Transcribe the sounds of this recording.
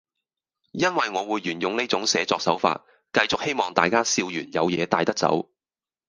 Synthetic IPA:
jɐ˥nwɐ˨jŋɔː˨˧wuː˨˧jːyː˨˩njʊ˧ŋne˥jt͡sʊ˨˧˥ŋsɛː˨˧t͡sɔː˧k̚sɐ˨˥wfa̰ː˧t̚ | kɐ˧jt͡sʊ˨k̚he˥jmɔː˨ŋt̪aː˨jkaː˥siː˧wjyː˨˩njɐ˨˧wjɛː˨˧t̪aː˨˧jt̪ɐ˥k̚t͡sɐ̰˨˥w

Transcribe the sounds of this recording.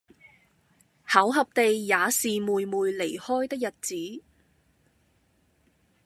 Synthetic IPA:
hɐ˨˥wɦɐ˨p̚t̪e˨jːaː˨˧siː˨muː˨jmuː˨˧jle˨˩jhɔː˥jt̪ɪ˥k̚jɐ˨t̚t͡siː˨˥

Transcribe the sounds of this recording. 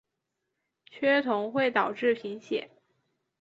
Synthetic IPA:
t͡ɕʰɥɛ˥t̪ʰʊ˧˥ŋxwe˥˩ɪt̪ɑ˨˩ʊʈ͡ʂɻ̩˥˩pʰi˧˥ŋɕjɛ̰˨˩˦n

